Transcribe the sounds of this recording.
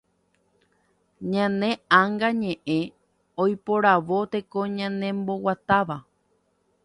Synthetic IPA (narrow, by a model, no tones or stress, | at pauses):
ɲãnẽ̞ãŋɡaɲẽ̞ʔẽ̞ | ojpoɾaʋo̞t̪e̞kõɲãnẽ̞mbo̞wat̪aʋa